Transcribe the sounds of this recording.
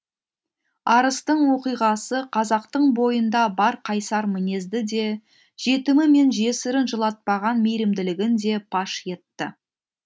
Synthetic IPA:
ɑɾəst̪əɴwo̞qijʁɑsəqʰɑzɑq̚t̪əɴbo̞jənd̪ɑbɑɾqʰɑjsɑɾmɪne̞zd̪ɪd̪e̞ | ʒ̥e̞t̪ɪmɪme̞nʒe̞sɪɾɪnʒəlˠɑt̪̚pɑʁɑnmejɾɪmd̪ɪlɪɡʲɪnd̪e̞pʰɑʃje̞t̪ːə̰

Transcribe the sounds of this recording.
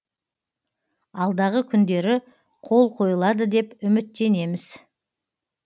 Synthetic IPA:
ɑlˠd̪ɑʁəkʲʰʏnd̪e̞ɾɪ | qʰo̞lˠqʰo̞jəlˠɑd̪əd̪e̞pʏmɪt̪ːe̞ne̞mɪz̥

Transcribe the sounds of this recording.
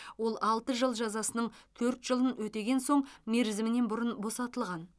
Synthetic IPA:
wo̞lˠɑlˠt̪əʒəlˠʒɑzɑsənəɴt̪ʰɵɾt̪ʒ̥əlˠənwɵt̪e̞ɡʲe̞nso̞ɴme̞ɾzɪmɪne̞nbʊɾʊnbo̞sɑt̪əlˠʁɑn

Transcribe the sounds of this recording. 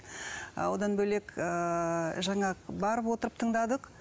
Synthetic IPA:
wod̪ɑnbɵle̞kəʒɑɴɑbɑɾəpwo̞t̪əɾəp̚t̪ʰəɴd̪ɑd̪əq

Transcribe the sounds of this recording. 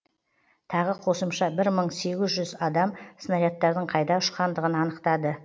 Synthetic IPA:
t̪ʰɑʁəqʰo̞səmʃɑbɪɾməɴse̞ɡʲɪzʒʏzɑd̪ɑmsənɑɾjɑt̪ːɑɾd̪əɴqʰɑjd̪ɑʊʃqɑnd̪əʁənɑnəqt̪ɑd̪ə

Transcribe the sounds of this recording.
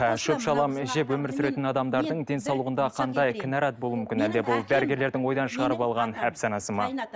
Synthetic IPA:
ʃɵpʃɑlˠɑmɪʒepwɵmɪɾsʏɾe̞t̪ɪnɑd̪ɑmd̪ɑɾd̪əɴd̪e̞nsɑwlˠuʁənd̪ɑqʰɑnd̪ɑjkʲʰɪnɑɾɑt̪̚bolˠumʏmkʲɪnæld̪e̞bolˠb̪æɾɪɡʲe̞ɾle̞ɾd̪ɪŋwo̞jd̪ɑnʃəʁɑɾəpɑlˠʁɑnæpsɑnɑsəmɑ

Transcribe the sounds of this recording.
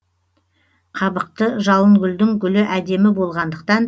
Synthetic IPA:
qʰɑbəq̚t̪əʒɑlˠəŋɡʲʏld̪ɪŋɡʲʏlɪʔæd̪e̞mɪbo̞lˠʁɑnd̪əq̚t̪ɑn

